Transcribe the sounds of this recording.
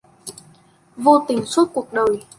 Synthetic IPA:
vo˧t̪ï˨˩ŋswə˦˥t̚ku˨˩ək̚ɗəː˨˩j

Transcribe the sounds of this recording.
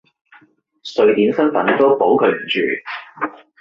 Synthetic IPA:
sɵ˧ɥt̪iː˨˥nsɐ˥nfɐ˨˥nt̪o˥wpo˨˥wkʰɵ˨˧ɥm̩˨˩t͡ʃy̰ː˨

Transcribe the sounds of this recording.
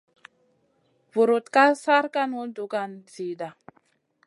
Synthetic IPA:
vu˨ɾu˨t̪ka˦sa˦ɾka˦nwu˦ldu˨ɡa˨nzi˨da˨

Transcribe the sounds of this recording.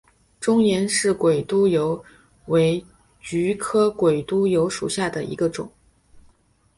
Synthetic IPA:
ʈ͡ʂʊ˥ŋjɛ˧˥nʂɻ̩˥˩kwe˨˩ɪt̪u˥jo˧˥ʊ | we˧˥ɪ | t͡ɕy˧˥kʰɤ˥kwe˨˩ɪt̪u˥jo˧˥ʊʂu˨˩ɕja˥˩d̪ə˩ḭ˧˥ɡə˧ʈ͡ʂʊ̰˨˩˦ŋ

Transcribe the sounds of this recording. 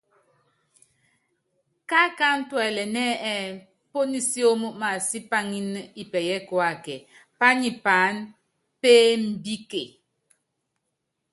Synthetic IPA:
ka˦ka˦n̩˦twɛ˨lɛ˨nɛ˦ɛ˦˨ | po˦ni˦si˦o˦mu˦ma˨si˦pa˦ŋi˦n˦i˨pɛ˨jɛ˦kɔ˨a˨kɛ˨ | pa˦ni˨pa˨˦n | pe˦m̩˨bi˦ke˨

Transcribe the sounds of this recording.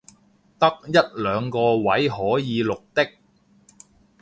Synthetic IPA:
t̪ɐ˥k̚jɐ˥t̚lœː˨˧ŋkɔː˧wɐ˨˥jɦɔː˨˥jiː˨˧lʊ˨k̚t̪ɪ˥k̚

